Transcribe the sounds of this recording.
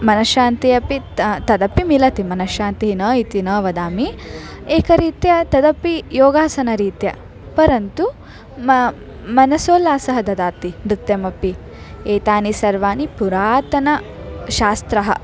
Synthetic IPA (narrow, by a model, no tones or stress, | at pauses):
mɐnɐʃaːnt̪ijɐpi | t̪ɐd̪ɐpimilɐt̪imɐnɐʃaːnt̪iɦinɐːit̪inɐːʋɐd̪aːmieːkɐɾiːt̪jɐt̪ɐd̪ɐpːijoːɡaːsɐnɐɾiːt̪jɐ̰ | pɐɾɐnt̪u | mɐ | mɐnɐsoːlaːsɐɦɐd̪ɐd̪aːt̪imɾit̪jɐmɐpːi | eːt̪aːnisɐɾʋaːnipuɾaːt̪ɐnɐ | ʃaːst̪ɾɐɦɐ̰